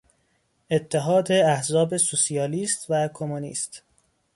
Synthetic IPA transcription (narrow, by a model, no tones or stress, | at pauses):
e̞t̪ʰːeɦɒːd̪eæhzɒːbe̞susiɒːliːst̪vækʰomunḭːst̪